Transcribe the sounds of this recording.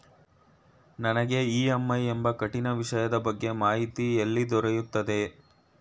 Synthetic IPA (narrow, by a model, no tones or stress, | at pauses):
nɐnɐɡe̞iːɐmːɐjembɐkɐʈːinɐʋiʂɐjɐd̪ɐbɐɡːe̞maːɦit̪ielːid̪ɔɾejut̪ːɐd̪e̞